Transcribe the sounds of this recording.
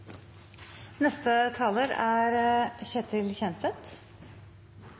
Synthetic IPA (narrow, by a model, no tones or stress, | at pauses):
nɛst̪ət̪ʰɑːloːɾæɾçɛt̪ʰɪlçɛnsɛt̪